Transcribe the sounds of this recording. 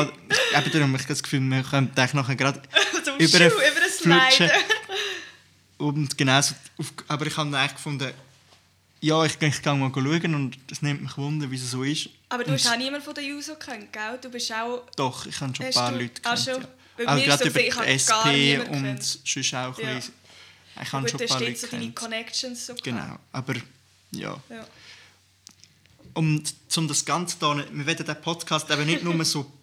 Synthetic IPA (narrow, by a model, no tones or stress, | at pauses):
ɛbəd̪ɾʊmɪχɡɑskfyːlmɪχœntaɪχnɔχəɡɾɑd̥øbəɾəbəɾəslfluɪt͡ʃə | ʊntɡ̥enaʊsoufɑbəɾɪχhɑnaɪχkfʊndə | jɑːɪχɪχɡ̥ɑŋmɔːlɡoluəɡənʊnd̪əsnɪmtmɪχʋʊnd̪əɾʋissoːɪʃʔɑbəɾdnuhɑniəmənfodəjuːsokχœnt̚ɡ̥ald̥ubɪʃaʊd̥ɔχɪχhɑnʃopɑːɾlytkʰɑʃo | eaʊɡɾɑdøbəɛsɑːeːʊndʃʏʃaʊχli | ɪχhɑnʃoːɑːɾeydinikʰɔnɛkʃənssoɡ̥ena̰ʊʔɑb̥əɾ | jɑ̰ːj | ʔʊnt͡sʊmdɑsɡ̥ɑnt͡sə̥d̥ɔːnəmɪʋɛdədɛːpʰɔtkʰɑːstɛbənɪdnʊməsoː